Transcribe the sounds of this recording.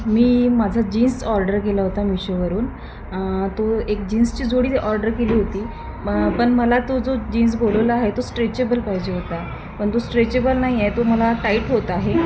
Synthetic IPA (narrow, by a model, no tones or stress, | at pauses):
miːmad͡zʱad͡ʑiːnsɔɾɖəɾkelaɦot̪amiɕoʋəɾuːn | t̪oek̚d͡ʑiːnst͡ɕiːd͡zʱoɽiːʔɔɾɖəɾkeliːɦot̪iː | pəɳməlat̪od͡zod͡ʑins̬boləʋlaaɦet̪osʈɾet͡ɕebəlpaɦid͡ʑeɦot̪a | pəɳt̪osʈɾet͡ɕebəlnaɦiajt̪oməlaʈaiʈɦot̪aɦe